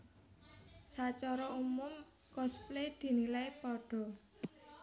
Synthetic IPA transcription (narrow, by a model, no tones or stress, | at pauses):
sat͡ʃɔɾɔumʊm | kɔspled̪̥i̤nilajpɔɖ̥ɔ̤